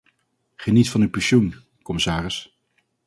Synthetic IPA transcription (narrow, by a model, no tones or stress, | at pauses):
χənitfɑnypɛʃun | kɔmɪsaːrɪs